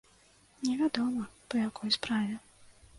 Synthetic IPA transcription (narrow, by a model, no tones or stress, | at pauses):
nʲɛvʲad̪ɔmɐpɐjakɔjspɾavʲɛ